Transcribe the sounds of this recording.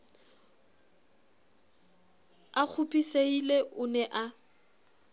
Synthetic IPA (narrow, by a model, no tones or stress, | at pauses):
ak͡xʰʊpʼiseileʔʊnɛʔa